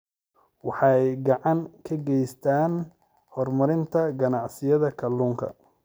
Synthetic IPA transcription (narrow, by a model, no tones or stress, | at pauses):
wɑħɑjɡɑʕɑŋkʰɐɡɛjst̪ʰaːn | hɔrmɐɾɪnt̪ʰɐɡɐnɑʕsɪjɐðɐkʰɐlːuːŋkʰɐ̰